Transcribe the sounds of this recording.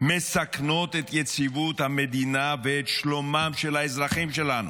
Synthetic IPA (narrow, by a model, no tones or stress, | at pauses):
me̞sakno̞t̪et̪jet͡sivut̪hame̞d̪inaveːt̪ʃlo̞mamʃelhaezʁaχimʃe̞lanṵ